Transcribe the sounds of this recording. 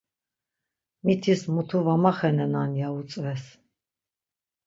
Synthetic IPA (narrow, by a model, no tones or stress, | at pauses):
mit̪ʰismut̪ʰuvamaχɛnɛnanjaut͡sʼvɛs